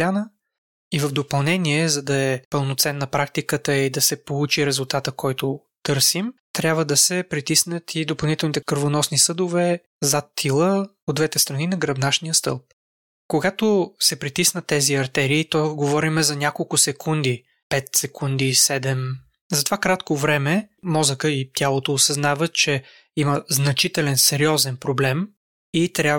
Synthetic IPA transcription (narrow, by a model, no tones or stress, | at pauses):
anə | ivəvd̪opɐlˠnɛniɛzɐd̪ɐɛpəlˠnot̪sɛnːɐpɾakt̪ikət̪əid̪ɐsɛpolˠut͡ʃiɾɛzʊlˠt̪at̪əkʰɔjt̪o | t̪ɤɾsimt̪ɾʲjabvəd̪ɐsɛpɾit̪isnət̪ʰid̪opɐlˠnit̪ɛlˠnit̪ɛkəɾvonɔsnisɤd̪ʊvɛ | zat̪ʰːilˠə | od̪d̪vɛt̪ɛst̪ɾɐninɐɡɾɐbnaʃnijəst̪ɤ̰lˠp̚ | koɡat̪osɛpɾit̪isnət̪ːɛziɐɾt̪ɛɾiːt̪ɔɡovɔɾimɛzɐnʲjakolˠkʊsɛkʰund̪i | pɛt̪sɛkund̪isɛd̪ɛm | zɐt̪ovakɾat̪kovɾɛmɛmɔzəkəit̪jalˠot̪oːsɐznavət̪t͡ʃɛ | iməznɐt͡ʃit̪ɛlɛnsɛɾiɔzɛnpɾoblɛm | it̪ɾʲja